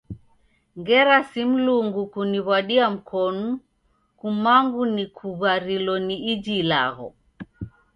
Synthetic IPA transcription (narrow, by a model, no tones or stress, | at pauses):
ŋɡɛɾasim̩luŋɡukuniβwaɗiam̩kʰɔnu | kumaŋɡunikʰuβaɾilɔniid͡ʒila̰ɣɔ̰